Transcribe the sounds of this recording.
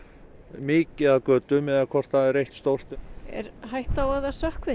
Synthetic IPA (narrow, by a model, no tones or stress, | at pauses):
mɪːcɪaðkœːt̪ʏmɛðakʰɔr̥t̪aðɛɾejht̪st̪owr̥t̪ɛ̰ɾɦajht̪awaðasœhkvɪ